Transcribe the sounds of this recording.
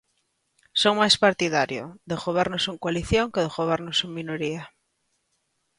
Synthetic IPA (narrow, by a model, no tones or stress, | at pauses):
soŋmajspaɾt̪iðaɾjo̰d̪exoβ̞ɛɾnosuŋkwaliθjoŋkeðexoβ̞eɾnosuŋminoɾia